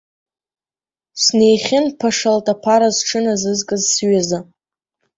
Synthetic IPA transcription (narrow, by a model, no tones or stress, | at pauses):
sne̞jχʲɪnpʰaʂaltʰʼapʰaɾazʈ͡ʂʰɨnazɨzkʼɨzsɥaza